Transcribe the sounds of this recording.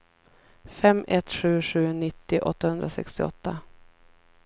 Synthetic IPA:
fɛmːʔɛt̪ɧʉ̟ːɧʉ̟ːnɪt̪ːɪʔɔt̪ːahɵnd̪ɾasɛ̰kst̪ɪɔ̰t̪ːa

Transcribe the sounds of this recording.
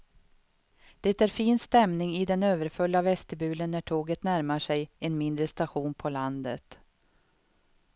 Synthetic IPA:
d̪̥ɛːt̪æːɾfiːnst̪ɛmnɪŋɪd̪ɛnøːvəɾfɵlːavɛst̪əbʉ̟ːlənːæʈʰoːɡət̪næɾmaʂɛjɛnmɪnd̪ɾəst̪aɧuːnpʰɔland̪ə̰t̪

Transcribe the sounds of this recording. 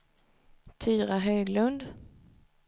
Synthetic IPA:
t̪ʰyːɾaɦøːɡlɵnd̪

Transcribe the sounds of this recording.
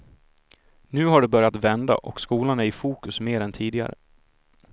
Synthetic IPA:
nʉ̟ːɦaɖɛbœɾjat̪vɛnd̪a̰ʔɔkskuːlanɛɪfuːkɵsmeːɾɛnt̪ʰiːd̪ɪɡa̰ɾə̰

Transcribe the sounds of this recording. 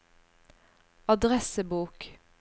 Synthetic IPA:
ɑd̪ʁɛsəbuːk

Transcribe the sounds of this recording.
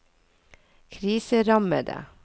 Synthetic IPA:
kʰɾiːsəɾɑmə̰d̪ə̰

